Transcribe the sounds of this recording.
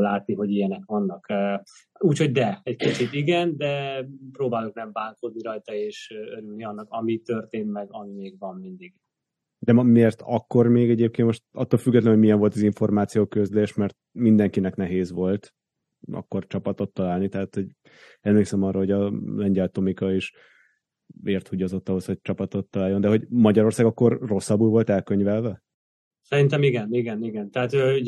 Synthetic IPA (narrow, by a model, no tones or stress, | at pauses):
laːt̪niɦo̞ɟijɛnɛkʋɒnːɒkː | uːcho̞ɟd̪ɛɛckit͡ʃit̪iɡɛnd̪ɛpɾoːbaːloknɛɱbaːŋkoːd̪niɾɒjt̪ɒeːʃøøɾylniɒnːɒkɒmit̪ørt̪eːnt̪mɛɡɒmimeːɡvɒmmind̪iɡ | d̪ɛmmeːrt̪ɒkːo̞rmeːɡɛɟeːp̚keːnt̪mo̞ʃt̪ɒ̰t̪ːolfyɡːɛt̪lɛnɦomijɛɱvo̞lt̪ɒziɱfo̞rmaːt̪sijoːkøzleːʃmɛrt̪̚mind̪ɛŋkinɛknɛɦeːzʋo̞lt̪ | ɒ̰kːo̞rt͡ʃɒpɒt̪o̞t̪ːɒlaːlnit̪ɛɦaːt̪ho̞ɟ | ɛmleːksɛmɒrːɑːɦoɒlɛɲɟɛlt̪omikɒiʃ | eːrt̪huɟɒzo̞t̪ːɒɦo̞sho̞c̚t͡ʃɒpɒt̪o̞t̪ːɒlaːljːo̞nd̪ɛɦo̞ɟmɒɟɒɾo̞rsaːɡɒkːo̞rːo̞sːɒbulvo̞lt̪ɛlkøɲvɛlvɛ | sɛɾint̪ɛmiɡɛniɡɛniɡɛnt̪ɛɦat̪ø